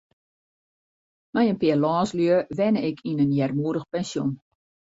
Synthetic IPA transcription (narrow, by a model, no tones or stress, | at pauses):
majənpɪəlɔːslyəʋɛnəɪkʰinənjɛrmuəɾdəxpɛnsjun